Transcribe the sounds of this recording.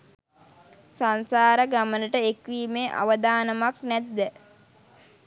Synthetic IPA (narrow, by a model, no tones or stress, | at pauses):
sansaːɾəɡamənəʈəekʋiːmeːʔa̰ʋəd̪aːnəmaknæt̪ːə